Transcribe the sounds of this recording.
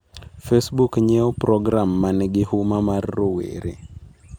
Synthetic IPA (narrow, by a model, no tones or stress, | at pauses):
fɛsbukɲɛɔpɾɔɡɾamːanɛɡɪhumamarːowḛɾḛ